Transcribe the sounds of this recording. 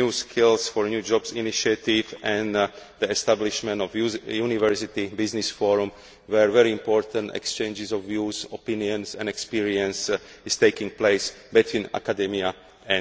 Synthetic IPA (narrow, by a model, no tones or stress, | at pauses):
uːskʰilsfɔɹnjuːd͡ʒɔbsiniʃiat̪ivɛ̃nd̪iɛst̪abliʃmɛ̃nt̪ɔfjunivɛɹsit̪ibiznisfɔɹũm | ʋɛɹʋɛɾiĩmpɔːɹt̪ãnt̪ɛ̰kst͡ʃɛ̃ɪ̃nd͡ʒɪzɔfːjuːzɔpĩniɔ̃nsɛ̰̃nɛkspiɹiɛ̃ns | ist̪eɪkĩŋ̚pleɪsbit̪ʰwĩːna̰kad̪ɛmia | ɛ̃